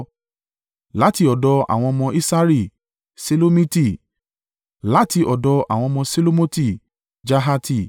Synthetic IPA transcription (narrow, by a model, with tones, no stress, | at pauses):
la˨˦ti˧ɔ˨dɔ˧a̰˨w̃ɔ̃˧mɔ̃˧ʔi˦sa˦ɾi˦˨ | se˦lo˦mĩ˦ti˦˨ | la˨˦ti˧ʔɔ˨dɔ˧a̰˨w̃ɔ̃˧mɔ̃˧se˦lo˦mo˦ti˦˨ | d͡ʒa˦ɦa˧ti˦˨